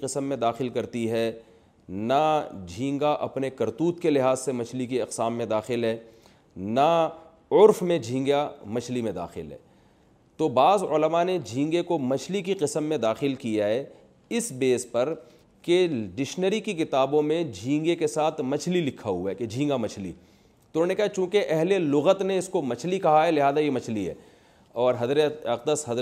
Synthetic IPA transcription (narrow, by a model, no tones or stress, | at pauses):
qɪsəmːẽd̪aːxɪlkɐɾt̪iɦɛ | nad͡ʒʱĩːŋɡaʔɐpnekɐɾt̪uːt̪kelɪɦaːzsemɐt͡ʃʰlikiɐqsaːmːẽd̪aːxɪlɦɛː | na | ʊɾfmẽd͡ʒʱĩːŋɡamɐt͡ʃʰlimẽd̪a̰ːxɪlɦɛ̰ː | t̪obaːzʊləmaned͡ʒʱĩːŋɡekomɐt͡ʃʰlik̬iqɪsəmːẽd̪aːxɪlkijaɦɛ | ɪsbeːspɐɾ | keɖɪʃnəɾikikɪt̪aːbõmẽd͡ʒʱĩːŋɡekesaːt̪ʰmɐt͡ʃʰlilɪkʰːaɦʊaked͡ʒʱĩːŋɡamɐt͡ʃʰlḭ | t̪oʊnõːnekɐɦat͡ʃũːkeʔɛɦlelʊɣət̪neɪskomɐt͡ʃʰlikɐɦaɦɛlɪɦaːzajemɐt͡ʃʰliɦɛ̰ː | ɔːɾɦɐzɾeɐq̚d̪əsɦɐz